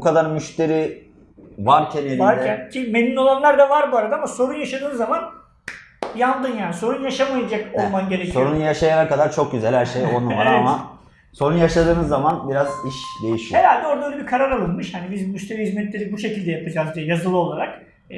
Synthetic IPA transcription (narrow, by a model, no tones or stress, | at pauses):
bukʰad̪aɾmyʃt̪ʰe̞ɾi | vaɾcʰænjenaɾʲæncʰime̞nino̞lˠanlˠaɾd̪avaɾbuaɾad̪aːamaso̞ɾunjaʃad̪ɯːnzaman | janˠd̪ɯnjaːniso̞ɾunjaʃamajad͡ʒakolˠmanɟe̞ɾecʰso̞ɾununjaʃajanakad̪aɾt͡ʃʰo̞k̚ɟyzælʲhæɾʃejonuvaɾama | so̞ɾunjaʃad̪ɯːnɯzːamanbiɾaziʃd̪ejiʃihe̞ɾalʲd̪ɛo̞ɾd̪aølʲebikʰaɾaɾalˠɯnmɯʃhanibizmyʃt̪ʰe̞ɾihizmɛt̪lʲe̞ɾibuʃe̞cilʲd̪ɛjapʰad͡ʒazd̪iɛjazɯlˠɯo̞lˠaɾak